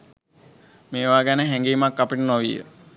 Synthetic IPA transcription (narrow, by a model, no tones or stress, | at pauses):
meːʋaːɡænəɦæŋɡiːmakːapiʈənoʋijə̰